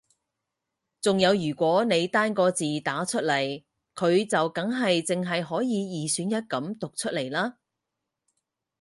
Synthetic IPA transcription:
t͡sʊ˨ŋjɐ˨˧wjyː˨˩kʷɔː˨˥ne˨˧jt̪aː˥nkɔː˧t͡siː˨t̪aː˨˥t͡ʃʰɵ˥t̚lɐ˨˩j | kʰɵ˨˧ɥt͡sɐ˨wkɐ˨˥ŋɦɐ˨jt͡sɪ˨ŋɦɐ˨jɦɔː˨˥jiː˨˧jiː˨syː˨˥njɐ˥t̚kɐ˨˥mt̪ʊ˨k̚t͡ʃʰɵ˥t̚le˨˩jlaː˥

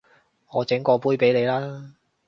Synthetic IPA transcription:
ŋɔː˨˧t͡sɪ˨˥ŋkɔː˧puː˥jpe˨˥jle˨˧jlaː˦˥

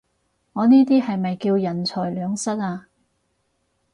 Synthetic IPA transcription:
ŋɔː˨˧niː˥t̪̬iː˥hɐ˨jmɐ˨jkiː˧wjɐ˨˩nt͡ʃʰɔː˨˩jlœː˨˧ŋsɐ˥t̚aː˧

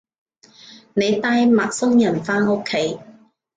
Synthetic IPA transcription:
ne˨˧jt̪aː˧jmaː˨t̚sʊ˥ŋjɐ˨˩nfaː˥no˥kʰːe˨˥j

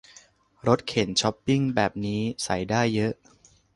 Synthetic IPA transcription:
ɾo˦˥t̪̚kʰe˨˩˦nt͡ɕʰɔ˦˥pːi˥˩ŋbɛː˨˩p̚niː˦˥sa˩˦jdaː˥˩jːɤ˦˥ʔ

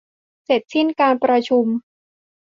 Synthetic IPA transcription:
se˨˩t̪̚si˦˥˩nkaː˧npɾa˧t͡ɕʰu˧m

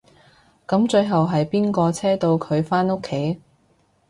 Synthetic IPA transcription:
kɐ˨˧˥mt͡ʃɵ˧ɥɦɐ˨wɦɐ˨jpiː˥nkɔː˧t͡sʰɛː˥t̪o˧wkʰɵ˨˧ɥfaː˥no˥kʰːe˨˥j

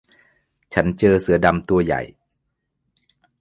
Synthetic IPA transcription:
t͡ɕʰa˦˥nt͡ɕɤː˧sɯ˩˦ɐda˧mt̪u˧ɐja̰˨˩j

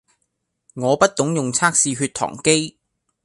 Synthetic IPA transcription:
ŋɔː˨˧pɐ˥t̚t̪ʊ˨˥ŋjʊ˨˩ŋt͡sʰaː˥k̚siː˧ɦyː˧t̚t̪ʰɔ̰ː˨˩ŋke˥j

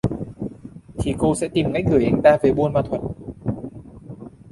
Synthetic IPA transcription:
t̪ʰi˨˩ko˧sɛ̰˧˥t̪i˨˩mka˦˥j̟̚ɣɨ˧˩jʔa˧jŋ̟t̪aː˧ve˨˦ɓu˧nmaː˨˩t̪ʰwə˨˩t̚

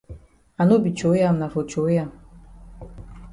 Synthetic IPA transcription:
a˨no˦bi˨t͡ʃo˨˦ja˨mna˨fo˨t͡ʃo˨˦ja˨m

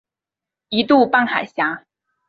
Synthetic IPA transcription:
i˧˥t̪u˥˧pa˥˩nxa˨˩ɪɕja˧˥

